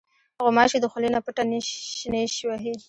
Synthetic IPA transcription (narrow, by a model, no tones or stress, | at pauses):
aɣomɑʃid̪əxʊlenapəʈaneneʃiwaɦe